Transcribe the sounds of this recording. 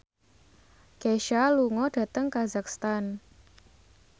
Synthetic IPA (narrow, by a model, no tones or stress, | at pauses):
keʃaluŋɔd̥ä̤t̪əŋkazakst̪an